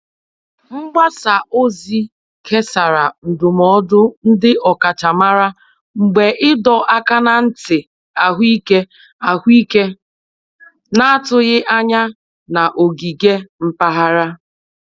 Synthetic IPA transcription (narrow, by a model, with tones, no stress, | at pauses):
ŋ͡m̩˦ɡ͡ba˦sa˨ʔo˦zi˦ | kʰe˦sa˨ɾa˨n̩˨dʊ˨mɔ˦dʊ˦n̩˦dɪ˦ʔɔ˨ka˨t͡ʃa˨ma˦ɾa˦ | ŋ͡m̩˨ɡ͡be˨ʔɪ˦dɔ˨ʔa˦ka˦na˨n̩˦tɪ˨ | a˨ɦʷi˦ke˦ | a˨ɦʷi˦ke˦ | na˦a˦tʊ˨ɣɪ˦ʔa˦ɲa˦ | na˨ʔo˨ɡi˨ɡe˦m̩˦pa˦ɦa˦ɾa˦